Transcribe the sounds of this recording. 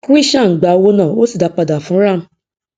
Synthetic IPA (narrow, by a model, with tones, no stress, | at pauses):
ku˦i˦ʃã˦˨ɡ͡ba˨˧wo˦nã˦˨o˦si˦˨da˨˧k͡pa˧da˨fũ˨˦ɾa˦˨m̩˦